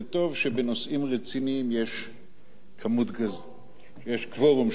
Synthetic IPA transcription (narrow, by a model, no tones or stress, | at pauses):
t̪o̞vʃebeno̞sʔimʁet͡siniːmjeʃ | kʰamut̪ɡaz | ʃejeʃkvoʁom